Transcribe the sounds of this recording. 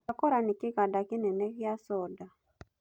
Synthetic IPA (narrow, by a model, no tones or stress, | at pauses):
akɔɾanikiɣadakinɛnɛɣjasɔda